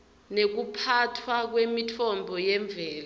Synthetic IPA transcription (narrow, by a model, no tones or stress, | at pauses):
nek̬upʰatʰwak̬wemitʰɔmbʱɔjɛɱb̪vʱɛːla